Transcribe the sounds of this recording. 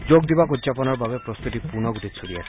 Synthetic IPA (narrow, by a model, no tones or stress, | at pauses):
d͡ʑoɡd̪ibakudzapɔnɔɾbabepɾost̪ut̪ipunɔɡut̪isʰolia̰sʰe